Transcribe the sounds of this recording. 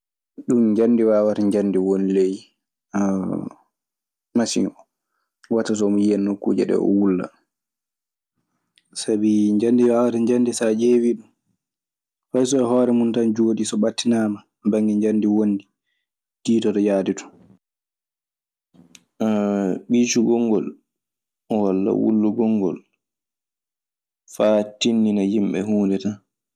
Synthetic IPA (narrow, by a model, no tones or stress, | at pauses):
ɗumɲd͡ʒanːdiwaːwataɲd͡ʒandiwonilej | masḭŋɔ | watːas̬ɔmjijɛnːokːṵːd͡ʒɛ̰ɗɛ̰ɔ̰wulːa̰ | sabiɲd͡ʒandiwaːwataɲd͡ʒandisad͡ʒeːwiɗum | fajs̬ɔɛɦɔːɾɛmuntand͡ʒoːɗisɔɓatːinaːma | mbaŋɡiɲd͡ʒanːdiwondi | d̥iːtɔtɔjaːditɔ̥ | ɓiːt͡ʃuɡɔŋɡɔl | walːa̰wṵlːuɡɔŋɡɔ̰l | fatinːinajimɓɛ̰ɦuːndɛta